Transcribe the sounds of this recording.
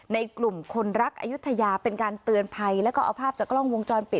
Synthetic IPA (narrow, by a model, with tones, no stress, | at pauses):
na˧jklu˨˩mkʰo˧nɾa˦˥k̚ʔa̰˧ju˦˥t̪ʰːa˧jaː˧pe˧nkaː˧nt̪ɯ˧ənpʰa˧jlɛː˦˥kɔː˥˩ʔa̰˧wpʰaː˥˩p̚t͡ɕaː˨˩klɔ˥˩ŋwo˧ŋt͡ɕɔː˧npi˨˩t̪̚